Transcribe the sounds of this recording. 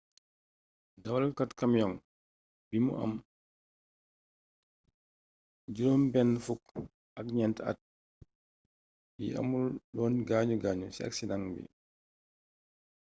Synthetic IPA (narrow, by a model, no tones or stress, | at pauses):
dawalkatkamjɔŋ | bimṵʔa̰m | d͡ʒuɾɔmbɛnːfuk | ʔak̚ɲɛnta̰t̚ | biʔa̰mulɗɔːnɡaːɲuɡaːɲusia̰ksidaŋbḭ